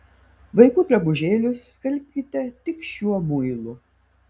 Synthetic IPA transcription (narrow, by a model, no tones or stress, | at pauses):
ʋɐɪkuːt̪ɾʲɛbʊʒʲeːlʲʊskʲɐlʲpʲkʲɪt̪ʲɛt̪ʲɪkʃʲuɔmʊjɪlˠʊ